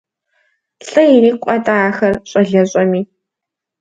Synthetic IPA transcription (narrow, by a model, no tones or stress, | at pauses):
ɬʼɨjiniːkʷʼɐtʼaaːxɐrɕʼɐɮɐɕʼɐmiː